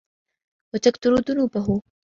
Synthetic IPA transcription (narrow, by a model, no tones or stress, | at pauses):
ot͡ɕɐkt̪uɾuːt̪unupɐɦu